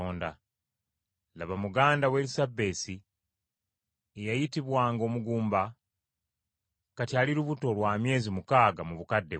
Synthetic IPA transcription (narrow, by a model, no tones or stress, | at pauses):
oːnda | laβamuɡaːndawe̞lisabːe̞ːsi | ejajitiβwaːŋɡo̞ːmuɡuːmba | katjaːliɾuβuto̞lwaːmje̞ːzimukaːɡamuβukadːe̞